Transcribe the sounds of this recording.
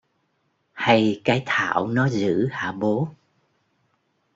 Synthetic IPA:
ha˧jkaː˨˦jt̪ʰa̰ː˧˩˨wnɔ˨˦zɨ̰˧˥haː˧˩ɓo˨˦

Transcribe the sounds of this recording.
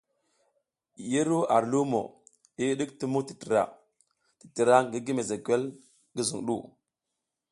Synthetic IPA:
ji˦ɾu˦a˨ɾlu˦mo̰˨ | i˦ɗi˦kti˦mu˦ti̥˨tə˨ɾa̰˨ | ti̥˨tə˨ɾa˦ŋɡi˦ɡi˦me˨ze˨kʷe˦l | ɡə˦zu˨ŋɗṵ˦˨

